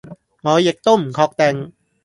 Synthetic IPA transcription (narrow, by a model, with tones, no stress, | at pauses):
ŋɔː˨˦je˨˩k̚t̪o˥˩mkʰɔː˧k̚t̪ɛ˧ŋ